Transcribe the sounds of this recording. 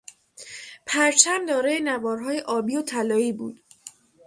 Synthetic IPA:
pʰæɾt͡ʃʰæmd̪ɒːɾɒjenævɒːɾɦɒːjeʔɒːbiːot̪ʰælɒːiːbṵːd̪̥

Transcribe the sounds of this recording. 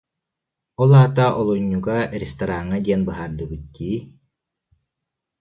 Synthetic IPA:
ɔlˠaːt̪aʔɔlˠuɲːuɡaɾest̪aɾaŋːad̪ʲiɛnbɯɦaːɾd̪ɯbɯt̪̚d̪iː

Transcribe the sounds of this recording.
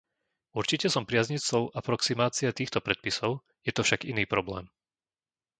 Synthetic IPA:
uɾt͡ʃicɛsɔmpɾɪazɲit͡sɔʊʔapɾɔksimaːt͡siat̪iːxt̪ɔpɾɛt̪̚pisɔʊ | jɛt̪ɔfʃaɡiniːpɾɔblɛ̰ːm

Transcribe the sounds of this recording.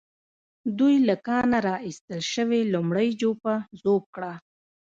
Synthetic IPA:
d̪ujlakɑnaɾɑist̪əlʃəwelumɽəjd͡ʒopazob̚kɽa

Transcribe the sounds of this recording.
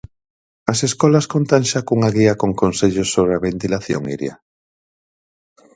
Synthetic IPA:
ɐseskɔlɐskont̪aŋʃakuŋaɣiɐkoŋkonseʎosːoβɾeaβent̪ilaθjo̰ŋḭɾj̰a̰

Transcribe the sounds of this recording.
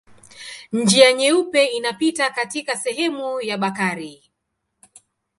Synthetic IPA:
ɲ̩d͡ʒijaɲɛupɛinapitakatikasɛɦɛmujaɓakaɾi

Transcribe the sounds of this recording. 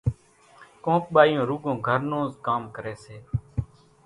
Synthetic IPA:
kõːk̚ɓaːjõːɾuːɡõːɡʱəɾnõːzkaːmkəɾeːseː

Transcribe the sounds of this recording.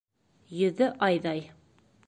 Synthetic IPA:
jɵ̆ðɘʔɑjðɑj

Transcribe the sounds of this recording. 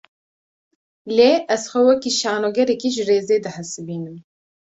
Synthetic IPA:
leːʔɛzxʷɛwɛkiːʃaːnoːɡɛɾɛkiːʒɨreːzeːd̪ɨħɨsɨbiːnɨm

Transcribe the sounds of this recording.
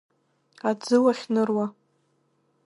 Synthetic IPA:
ad͡zɨwaχʲnɨrwa

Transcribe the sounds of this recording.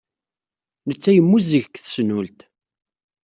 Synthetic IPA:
nət͡sːæjəmːuziʝəkθəsnult̪

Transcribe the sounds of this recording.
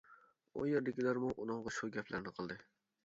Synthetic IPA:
o̰jeɾd̪ɪkʲilæɾmuʔunɨŋʁɑʃuɡʲɛpʰlæɾnɪqʰəlˠd̪ɨ

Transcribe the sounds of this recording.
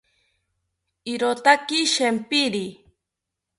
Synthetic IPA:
iɾot̪akiʃempiɾi

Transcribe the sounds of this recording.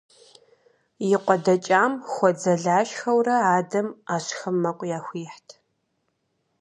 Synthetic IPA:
jɪqʷɔdɐt͡ʃʼaːmxʷɔd͡zɐɮaːʃxɐwrɐaːdɐmaːɕxɨmːɐqʷʼjaːxʷiːħtʰ

